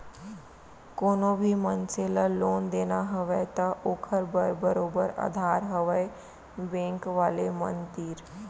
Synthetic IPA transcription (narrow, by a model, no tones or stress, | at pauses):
koːnõbʱimənseːlaloːnd̪eːnaɦɐʋet̪ɐʔoːkʰəɾbəɾbəɾoːbəɾa̰d̪ʱaːɾɦəʋəe | bẽːŋkʋaːlemə̰̃nd̪iːɾ